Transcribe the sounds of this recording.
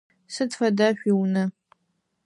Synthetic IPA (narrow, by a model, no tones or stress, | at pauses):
sɨtfɐdaʃᶣʷiwnɨ